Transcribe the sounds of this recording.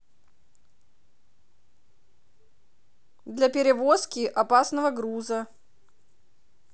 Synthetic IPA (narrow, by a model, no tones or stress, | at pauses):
d̪lʲɐpʲɪɾʲɪvoskʲɪʔɐpasnəvəɡɾuzə